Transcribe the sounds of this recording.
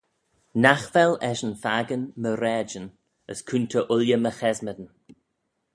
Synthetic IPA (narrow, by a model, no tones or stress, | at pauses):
naxvɛlɛʃənfaɡənməɾɛːd͡ʒən | ə̰skʰuntʰəʔʊljəməxɛzməd̪ən